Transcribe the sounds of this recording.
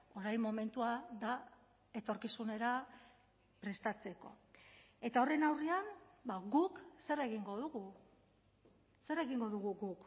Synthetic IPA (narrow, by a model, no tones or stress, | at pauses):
o̞ɾajmo̞me̞nt̪uaða | e̞t̪o̞ɾkisune̞ɾa | pɾe̞st̪at͡se̞ko̞̰ | e̞t̪aore̞nawriambaɣukse̞re̞ɣiŋɡo̞ðuɣu | se̞re̞ɣiŋɡo̞ðuɣ̞uɣuk